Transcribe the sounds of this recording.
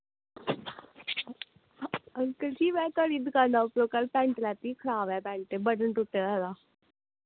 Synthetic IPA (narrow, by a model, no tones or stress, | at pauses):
əlkəld͡ʒiːmɛ̃ːk̪əɽiːd̪ɪkaːnd̪aːʊpɾoːkəlpɛ̃ːɳʈlɛːt̪iːkʰəɾaːʋɛːpɛ̃ːɳʈeːbəʈəɳʈʊʈːeːɾaːd̪aː